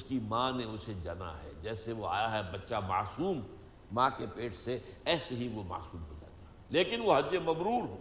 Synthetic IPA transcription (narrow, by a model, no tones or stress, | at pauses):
ʊskimãneʊsed͡ʒɐna̰ɦɛ̰d͡ʒɛːseʋoa̰ːjaɦɛbɐtːʃama̰ːsuːmː | ãːkepeːʈʰseɛːseɦiʋoma̰ːsuːmbod͡ʒa̰t̪a | leːkɪnʋoɦɐd͡ʒd͡ʒemɐbɾuːɾɦoː